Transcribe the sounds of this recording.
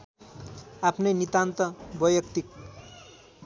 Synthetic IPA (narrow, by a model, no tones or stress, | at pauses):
apʰnʌjnit̪ant̪ʌbʌjʌkt̪ik